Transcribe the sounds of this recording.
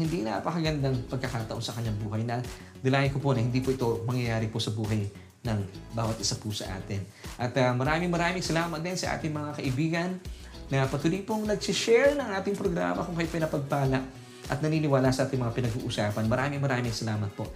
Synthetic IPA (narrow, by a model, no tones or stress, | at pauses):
hɪnd̪inɐpɐkɐɡɐnd̪aŋpɐɡ̚kɐkaːt̪ɐʔo̞nsɐkɐɲːaŋbuːhɐjnɐ | d̪ɪlaːjɪnkopo̞nɐhɪnd̪iːpoʔɪt̪o̞mɐŋjɐjaːɾɪposɐbuːɦɐj | nɐŋbaːwɐt̪̚ʔɪsapʊsɐ̰ʔa̰ːt̪ɪnʔɐt̪ɐmɐɾaːmɪŋmɐɾaːmɪŋsɐlaːmɐt̪̚d̪ɛnsɐʔa̰ːt̪ɪŋmɐŋakɐʔɪbiːɡɐnː | ɐpɐt̪uːlijpoŋnɐɡsɪʃɛɹnɐŋʔaːt̪ɪŋpɾoɡɾa̰ːmɐkʊŋkɐjopɪnɐpɐɡ̚paːlɐʔ | ʔɐ̰t̪̚nɐniːnɪwaːlasɐʔaːt̪ɪŋmɐŋapɪnɐɡṵːʔʊsaːpɐnmɐɾaːmɪŋmɐɾaːmɪŋsɐlaːmɐt̪̚po̞ʔ